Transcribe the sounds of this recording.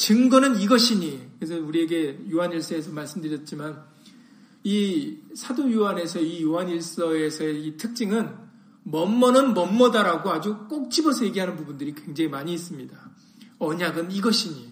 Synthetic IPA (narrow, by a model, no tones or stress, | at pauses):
t͡ɕɯŋɡʌnɯniɡʌɕʰiɲikɯes̬ʰʌuɾie̞ɡe̞joɦaniɭs͈ʌe̞sʰʌmaɭs͈ɯmdɯɾjʌt̚t͡ɕ͈iman | isʰadojuɦane̞sʰʌijoɦaniɭs͈ʌe̞sʰʌeitʰɯk̚t͡ɕ͈iŋɯn | mʌmːʌnɯnmʌmːʌdaɾaɡoad͡ʑuk͈ok̚t͡ɕ͈ibʌsʰʌje̞ɡiɦanɯnpubundɯɾikwe̞ŋd͡ʑaŋimaɲiːs͈ɯmɲida | ʌɲaɡɯniɡʌɕʰiɲi